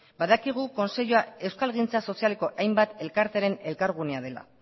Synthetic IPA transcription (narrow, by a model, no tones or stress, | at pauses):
baðakiɣ̞uko̞nse̞ʎuae̞wskalɣint͡saso̞siale̞ko̞ʔajmbat̪e̞lkaɾt̪eɾe̞ne̞lkaɾɣ̞uneaðe̞la̰